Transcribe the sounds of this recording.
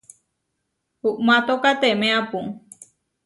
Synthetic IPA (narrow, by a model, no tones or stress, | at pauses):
huʔmãt̪okat̪emẽãpũ